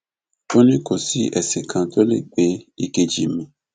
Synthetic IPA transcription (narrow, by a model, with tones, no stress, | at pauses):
o˦nĩ˦ko˨si˨˦ʔɛ˨se˨kʰã˧to˦lḛ˦˨ɡ͡be˨˦i˧ke˧d͡ʒḭ˨mĩ˧˦